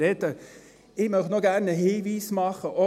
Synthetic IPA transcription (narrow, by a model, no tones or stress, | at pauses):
ɛt̪ə | ɪɡmœχnoːɡæɾnəheːʋiːsmɑχəʔɔ